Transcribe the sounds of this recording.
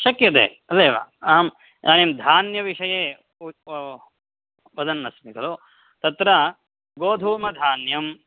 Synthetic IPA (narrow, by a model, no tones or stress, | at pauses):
ʃɐkjɐt̪ḛː | ɐleːʋa̰ːam | aːnemd̪ʱaːnjɐʋiʂɐjeː | ʋɐd̪ɐnːɐsmikɐlo | t̪ɐt̪ɾɐ | ɡoːd̪ʱuːmɐd̪ʱaːnjɐm